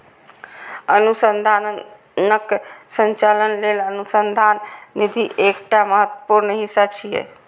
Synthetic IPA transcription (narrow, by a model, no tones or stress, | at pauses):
ənusənd̪ʱaːn | nəksə̃nt͡ʃaːlənleːlənusənd̪ʱaːnːid̪ʱiʔeːkʈaməɦət̪wəpuɾnɦisat͡ʃʰijḛ